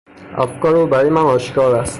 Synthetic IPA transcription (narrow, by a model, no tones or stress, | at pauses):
æ̰fkɒːɾubæɾɒjemænɒːʃkɒːɾæst̪